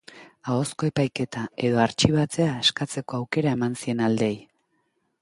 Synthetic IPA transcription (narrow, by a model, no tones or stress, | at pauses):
ao̞sko̞e̞pajke̞t̪ae̞ðo̞aɾt͡ʃiβ̞at͡se̞aeskat͡se̞ko̞awke̞ɾae̞mansie̞nald̪e̞j